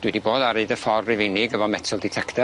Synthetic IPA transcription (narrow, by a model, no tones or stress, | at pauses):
d̥wɪdiboːdaɾeɨdəfɔrːɪvɪnɪɡəvɔmɛtʰəlˠdɪtʰɛktʰɛ